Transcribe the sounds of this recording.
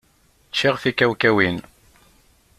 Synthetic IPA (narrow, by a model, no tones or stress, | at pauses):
t͡ʃːiʁfikæwkæwin